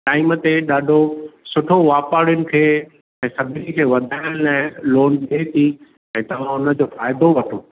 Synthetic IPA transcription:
ʈaːɪmət̪eɗaːɖʱosʊʈʰoʋaːpaːɽjʊnɪ̆kʰeː | ɛ̃ːsɐbʱɪnĭkʰeːʋɐd̪ʱaːɪəɽ̃lãːɪloːnɗet̪ʰi | ɛ̃ːt̪ɐʋ̤ãʊnəd͡ʑoːfaːɪd̪oʋɐʈʰoː

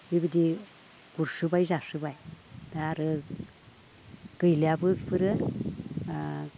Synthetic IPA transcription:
bibɯdi | ɡ̥uɾsɯbajzasɯbaj | daaɾɯ | ɡ̥ɯjlijabɯpʰɯɾɯ

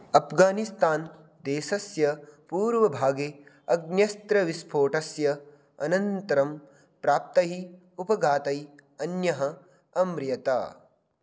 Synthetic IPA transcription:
ɐpʰɡaːnist̪aːn | d̪eːʃɐsjɐpuːɾʋɐbʱaːɡeː | ɐɡ̚njɐst̪ɾɐʋispʰoːʈɐsjɐ | ɐ̰nɐnt̪ɐɾɐm | pɾaːp̚t̪ɐɦi | upɐɡaːt̪ɐjɐnjɐɦɐ | ɐmɾjɐt̪a̰ː

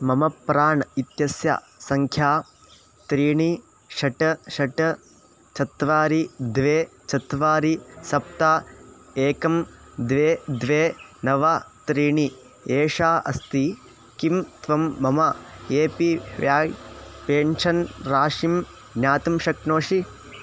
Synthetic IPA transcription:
mɐmɐpːɾaːɳɐit̪jɐsja̰ː | sɐŋkʰjaː | t̪ɾiːɳi | ʃɐʈɐʃɐʈɐ | t͡ʃɐt̪ːʋaːɾid̪ʋeːt͡ʃɐt̪ʋaːɾisɐp̚t̪aːeːkɐmd̪ʋeːd̪ʋeːnɐʋat̪ɾiːɳi | eːʂaːʔɐ̰st̪i | kimt̪ʋɐmːɐmɐeːpiʋjaːjpeːnʃɐnɾaːʂim | jaːt̪ɐmʃɐknoːʂi

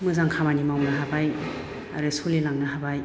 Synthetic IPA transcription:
mɯzaŋkʰamanimawnaɦabaj | a̰ɾɯsolilaŋnaɦabaj

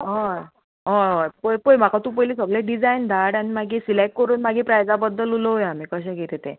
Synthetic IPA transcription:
ɦɔ | ɦɔ̃ɦɔpəjpəjm̤akat̪ũːpəjlisəɡlẽɖid͡zajnd̪ʱaɽanimaɡiːsilek̚kəɾuːnmaɡiːpɾajd͡zabəd̪ːəluləojam̤iːkəɕɛ̃ɡʱet̪et̪ḛ̃

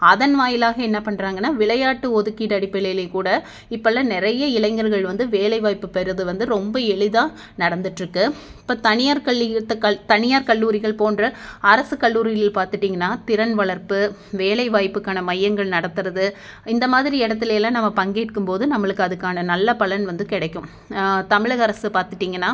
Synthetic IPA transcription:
ɐðɐnʋaːjɪlaːɣɐɛnːɐpɐɳːɾaːŋɡɐnːaːʋɪɭɐjaːʈːɯɔðɯkːiːɽɐɽɪpːɐɭɐjɪlɪkuːɽɐ | ɪpːɐɭːɐnɪɾɐjɐɪlɐɪŋɡɐɾɣɐɭʋɐnd̪ɯʋeːlɐɪʋaːjpːɯpɛɾɯðɯʋɐnd̪ɯɾɔmbɐɛɭɪðaː | nɐɽɐnd̪ɯʈːɾɯkːɯ | ɪpːoːt̪ɐnɪjaːɾkɐɭːɐɐt̪ɐnɪjaːɾkɐɭːuːɾɪɣɐɭpoːndrɐɐɾɐsɯkɐɭːuːɾɪɣɐlɪlpaːɾt̪ɯʈːiːŋɡɐnːaːt̪ɪɾɐnʋɐɭɐɾpɯʋeːlɐɪʋaːjpːɯkːaːnɐmɐjːɐŋɡɐɭnɐɽɐt̪ːɯɾɐðɯ | ɪnd̪ɐmaːðɪɾiɛɽɐt̪ːɪleɛlːãːnɐmːɐpɐŋɡeːʈkɯmpoːðɯnɐmːɐɭɯkːɯɐðɯkːaːnɐnɐlːɐpɐɭɐnʋɐnd̪ɯkɪɽɐkːɯ̃m | t̪ɐmɪɻɐɣɐɐɾɐsɯpaːɾt̪ɯʈːiːŋɡɐnːaː

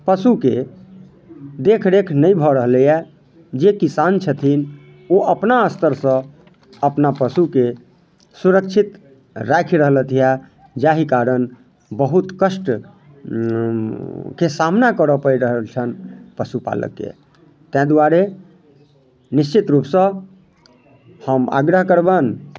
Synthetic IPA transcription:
pəsuke | d̪ekʰɾekʰnəjbʱɔɾəɦləjɛ | d͡ʒekisant͡ʃʰət̪ʰin | oʔəpnaəst̪əɾsə̃ | əpnapəsuke | suɾək̚t͡ʃʰit̪ | ɾakʰiɾəɦlət̪ʰija | d͡ʒaɦikaɾən | bəɦut̪kəsʈ | kesamnakəɾəpəɾiɾəɦəlt͡ʃʰənpəsupa̰lə̰kːḛ | t̪ɛ̃d̪uaɾe | nist͡ʃit̪ɾupsə̃ | həma̰ɡɾəɦkəɾbən

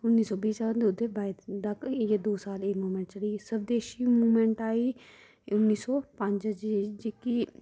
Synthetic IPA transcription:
ʊnːiːsɔːbiːsəʋənd̪ʊd̪eːbaːɪd̪d̪əkːed̪oːsaːleːmuːmɛ̃ɳʈt͡ʃəɽiːsəb̚d̪eːʃiːmuːmɛ̃ɳʈaːiː | ʊnːiːsɔːpəɲd͡ʒd͡ʒd͡ʒɪkiː

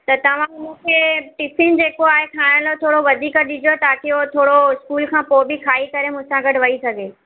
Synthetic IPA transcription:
t̪ɐt̪ɐʋ̤ãmũkʰeːʈipʰɪn̆d͡ʑeːkoaːɦekʰaːɪ̃ɽ̃lot̪ʰoːɽoʋɐd̪ʱiːkəɗɪd͡ʑot̪aːkeot̪ʰoːɽoɪskuːlkʰãːpoːbikʰaːikɐɾemʊ̃ɦɪ̃sãɡɐʈʋɐisɐɡʱeː

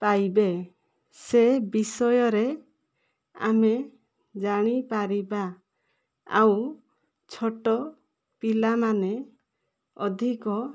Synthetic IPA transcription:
pajbe | sebisɔjɔɾe | a̰me | d͡ʒaɽ̃ipaɾibaː | w | t͡ʃʰɔʈɔ | pilamane | ɔd̪ʱikɔ

